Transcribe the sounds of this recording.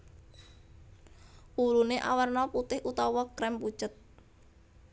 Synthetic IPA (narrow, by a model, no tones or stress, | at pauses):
uluneʔawərnɔput̪ɪhʔut̪ɔwɔkɾɛmpu̥t͡ʃət̪̚